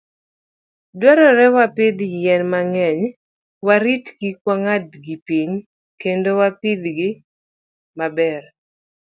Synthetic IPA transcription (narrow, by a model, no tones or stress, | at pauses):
dwaɾɔɾɛwapɪd̪jɛnmaŋɛɲ | waɾitɡikwaŋadɡipiɲ | kendowapid̪ɡɪ | mabɛr